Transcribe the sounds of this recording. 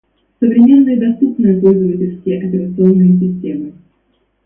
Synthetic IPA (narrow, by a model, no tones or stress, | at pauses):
səvɾʲɪmʲe̞nːɨjəd̪ɐst̪upnɨjəpo̞lʲzəvətʲɪlʲskʲɪjəʔɐpʲɪɾət̪sɨo̞nːɨjəsʲɪsʲtʲemɨ